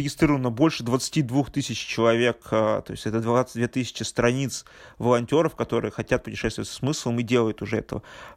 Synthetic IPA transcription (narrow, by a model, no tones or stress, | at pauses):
ɪɡʲɪst̪ɾʲiɾəvənəbo̞lʲʂɨd̪vət̪sɨ̥tʲid̪vuxt̪ɨsʲɪt͡ɕt͡ɕɪlˠɐvʲe̞kət̪o̞ɪ̰sʲtʲɛt̪əd̪vat̪ʲd̪vʲet̪ɨsʲɪ̥t͡ɕɪst̪ɾɐnʲit̪s | vəlˠɐnʲtʲo̞ɾəfkɐt̪o̞ɾɨ̰jəxɐtʲat̪̚pʊtʲɪ̥ʂɛst̪ʊvət̪ʲssmɨslˠəmɨdʲelˠəjʊt̪ʊʐɛɛt̪əvə̰